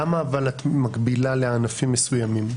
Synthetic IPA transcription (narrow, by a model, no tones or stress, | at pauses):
amaːvalat̪makɡbilaleanafimːesujamim